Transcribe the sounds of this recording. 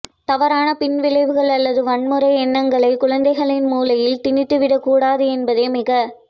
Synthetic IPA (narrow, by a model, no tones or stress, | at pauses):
t̪ɐʋɐɾaːnɐpɪnʋɪɭɐɪʋɯɣɐɭɐlːɐðɯʋɐɳmɯɾɐɪɛnːɐŋɡɐɭɐɪkʊɻɐnd̪ɐɪɣɐɭɪnmuːlɐjɪlt̪ɪɳɪt̪ːɯʋɪɽɐkːuːɽaːðɯɛnbɐðeːmɪɣɐ